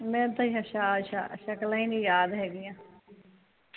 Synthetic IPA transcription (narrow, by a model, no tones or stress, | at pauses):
mɛ̃ːt̪ãːiɦəʃaːʃa̰ːʃəklãiːnĩːjaːd̪ɦɛːɡɪjãː